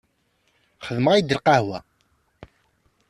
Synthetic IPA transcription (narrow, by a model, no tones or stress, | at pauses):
χəðməʁid̪əlqahwæ